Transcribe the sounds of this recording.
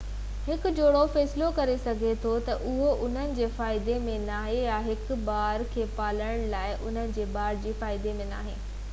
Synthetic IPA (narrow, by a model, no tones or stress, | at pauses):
hɪkʊ̆d͡ʑoːɽofɛːsɪlokɐɾesɐɡʱet̪ʰot̪ɐʔʊɦoʔʊn̤ənɪ̆d͡ʑeːfaːɪd̪emẽnaːɦejaɦɪkbaːɾkʰeːpaːlə̃ɽ̃laːɪʔʊn̤ənɪ̆d͡ʑeːbaːɾd͡ʑiːfaːɪd̪emẽna̰ːɦeː